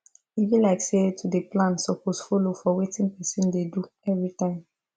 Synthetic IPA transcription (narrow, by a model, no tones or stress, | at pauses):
ivĩnlaɪksetʰudeplãnsɔposfolofɔwetʰĩnpɛsĩndedu | ɛvɹitãɪ̃m